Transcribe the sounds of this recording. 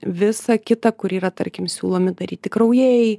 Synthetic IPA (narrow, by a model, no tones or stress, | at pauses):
ʋʲɪsɐkʲɪt̪ɐkʊɾiːɾɐt̪ɐɾʲkʲɪmsʲṵːlˠoːmʲɪd̪ɐɾʲiːt̪ʲɪkɾɐʊjɛj